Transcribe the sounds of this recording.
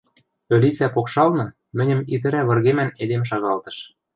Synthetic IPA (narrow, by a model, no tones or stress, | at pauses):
ølʲit͡sæpokʃɑlnɤ̆ | mɘ̆nʲɘ̆mit̪ɘ̆ɾæβɤ̆rɣemæned̪emʃ̬ɑɣɑlt̪ɤ̥̆ʃ